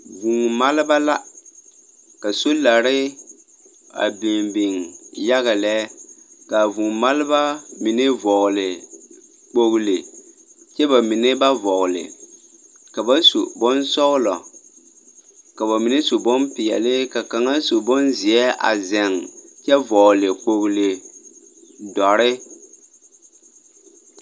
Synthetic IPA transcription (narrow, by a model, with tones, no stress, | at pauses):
vu˨ŋma˦lɪ˦ba˦la˦ | ka˨so˦la˨ɾɪ˦ | a̰˨bɪ˨ŋbi˨ŋja˦ɣa˨lɛ˦ka˨vu˨ŋma˦lɪ˦ba˦mi˨nɪ˦vɔ˨ɣʊ˨lɪ˨ | k͡po˦ɣʊ˦lɪ˨ | t͡ʃɛ˦ba˨mi˨nɪ˦ba˦vɔ˨ɣʊ˨lɪ̰˨ | ka˨ba˦sṵ˨bɔ˦nsɔ˦ɣlɔ̰˨ | ka˨ba˨mi˨ne˦su˨bɔ˦npi˨ɛ̰˨lɪ˦ka˨ka˨ŋa˦su˨bɔ˦nzi˨ɛ˦a̰˨zɛ˨ŋt͡ʃɛ˦vɔ˨ɣlɪ˨k͡po˨ɣle˨ | dɔ˨ɾɪ˦